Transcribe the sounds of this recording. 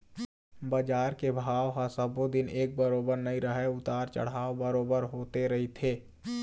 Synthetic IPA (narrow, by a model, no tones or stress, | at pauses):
baːd͡ʒaːɾkebʱaːʋɦasəbod̪ɪneːk̚bəɾoːbəɾnɐiɾəɦɛʊt̪aːɾt͡ʃɐ̰ɽ̤ɦaːobəɾoːbəɾɦoːt̪eɾɐɦit̪ʰeː